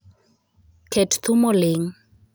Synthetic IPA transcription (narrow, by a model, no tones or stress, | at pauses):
kʰɛtt̪umɔlɪŋ